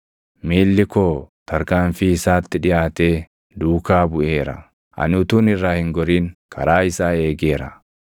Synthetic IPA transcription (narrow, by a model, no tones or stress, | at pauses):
miːlːɪkoːt̪ɐɾkaːɱfiːɪsaːt̪ːɪᶑɪjaːt̪e̞ː | d̪uːkaːbʊʔe̞ːɾɐ̰ | ʔɐ̰nʊt̪uːnɪrːaːhɪŋɡɔɾiːŋkʰɐ̰ɾaːɪsaːe̞ːɡeːɾɐ̰